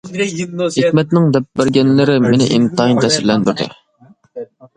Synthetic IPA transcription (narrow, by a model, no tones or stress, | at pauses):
khemɛt̪nɪŋd̪ɛp̚bæɾɡʲɛnlɪɾɪmenɪʔint̪ʰɑint̪ɛsɪɾlɛnbøt̪ʰɛ̰